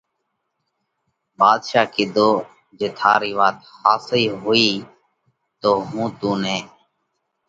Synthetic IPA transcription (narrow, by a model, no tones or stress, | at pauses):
baːd̪ʃaːkɪd̪oː | d͡ʒeːt̪ʰaːɾiːʋaːt̪haːsiːɦʊiː | t̪oːɦũːt̪ũːnɛ̃ː